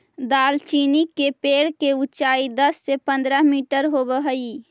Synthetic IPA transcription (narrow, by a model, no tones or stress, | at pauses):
d̪aːlt͡ʃinikːepeːɽkeut͡ʃaːid̪əsːepə̃nd̪ɾəɦmiʈəɾɦobəɦəi